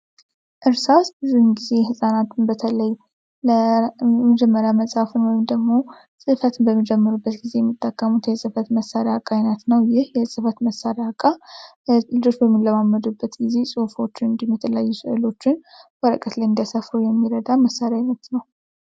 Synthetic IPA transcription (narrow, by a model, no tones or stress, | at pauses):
ʔɨɾsasbɨzuɨnɡize̞hɨsʼanat̪ʰɨnbət̪ʰələj | ləməd͡ʒɛmːəɾjaməsʼhafɨnwɔjɪmd̪əɡmo̞ | sʼɨfət̪ʰɨnbəmːid͡ʒɛmːɨɾubːət̪ɡize̞jɛmːit̪ʼːəkʼːəmut̪jɛsʼɨfət̪məsːaɾjakʼajnət̪nəwjɪhjɛsʼɨfət̪məsːaɾakʼːa | lɨd͡ʒo̞t͡ʃːbəmːilləmamːəd̪ubːət̪ɡize̞sʼufo̞t͡ʃːɪnɨnd̪jɛmːɛt̪ʰələjajːusɨʔɨlo̞t͡ʃːɪnwɔɾə̰kʼət̪ləjɨnd̪ijasafɾujɛmːiɾəd̪aməsaɾejajnət̪nəw